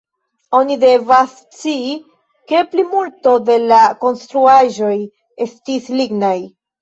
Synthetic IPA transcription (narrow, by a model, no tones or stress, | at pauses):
o̞nide̞vas | t͡siː | ke̞plimulto̞de̞lako̞nstɾuaʒo̞j | e̞stisliɡnaj